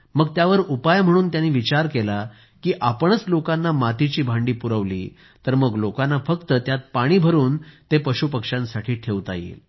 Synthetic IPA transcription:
məɡt̪jaʋəɾupajm̤əɽ̃uːnt̪janːiːʋit͡ɕaɾkela | kiːʔapəɳ̃ət͡slokanːamat̪it͡ɕiːbʱaɳɖiːpuɾəʋlḭː | t̪əɾməɡlokãnːafəkt̪ət̪jat̪̚paɽ̃iːbʱəɾuːnt̪epəɕupəkʂãnsaʈʰiːʈʰeʋt̪a̰jḛl

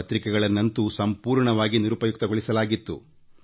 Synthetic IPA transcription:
ɐt̪ɾikɛɡɐɭɐnːɐnt̪usɐmpuːɾɳɐʋaːɡiniɾupɐjuk̚t̪ɐɡoɭisɐlaːɡit̪ːṵ

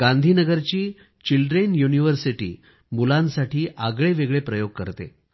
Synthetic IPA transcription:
ɡ̥ãnd̪ʱiːnəɡəɾt͡ɕiː | t͡ɕilɖɾenjuniʋəɾsiʈḭː | mulãnsaʈʰiːʔaɡɭeʋeɡɭepɾəjoɡ̚kəɾt̪ḛ

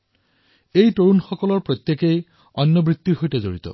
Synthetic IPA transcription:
ejtoɹunxɔkɔlɔɹpɹojt̪jekej | ɔnːjɔbɹit̪ːiɹɦojtezo̰ɹit̪ɔ̰

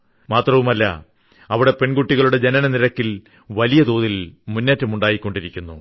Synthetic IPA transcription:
maːt̪rɐʋumɐlːɐ̰ | ɐʋiɽe̞peɳɡuʈːiɣɐɭuɽe̞d͡ʑe̞nɐnɐniɾɐkːil | ʋɐlijɐd̪oːðilmunːaːtːumuɳɖaːjikːo̞ɳɖiɾikʲːunːṵ

